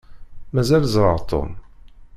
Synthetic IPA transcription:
mæzælzˤɾˤəɾˤt̪o̰m

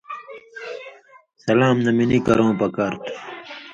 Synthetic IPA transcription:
sɐlaːmnɐminikɐɾõːpɐkaːɾt̪ʰ

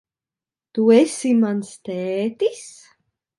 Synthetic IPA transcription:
t̪uesʲimanst̪ɛːt̪is

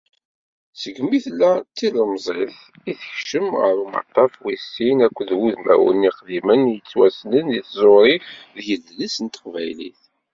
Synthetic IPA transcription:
səɡmiθlːæt͡sːiləmzˤeθ | iθəçʃəmʁə̰ɾumə̰t̪ˤːɑfwisːinækʷːðwuðmæ̰wə̰niχðimənjət͡sːwæsnəniθzˤoɾˤiðjəlːlisənt̪ə̥qvæjlḭθ

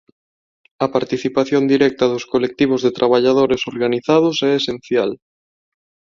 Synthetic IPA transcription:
ɐpaɾt̪iθipaθjond̪iɾɛk̚t̪ɐðʊskolek̚t̪iβ̞ozðet̪ɾʔaβaʎaðoɾesoɾɣaniθað̞ʊsɛesen̟θjal

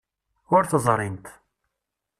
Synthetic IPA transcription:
ʊɾθəzˤɾˤɪnt̪

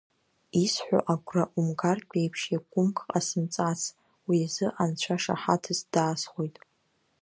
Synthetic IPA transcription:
isħʷᶣa̰ʔaɡʷʼraʔumɡarkʲʷʼejpʰʂjaɡʷʼʊmkʰʼqʼasɨmt͡sʼat͡sʰ | wiazɨʔant͡ɕʷʰaʂa̰ħatʰɨsd̥aːsχʷojtʼ

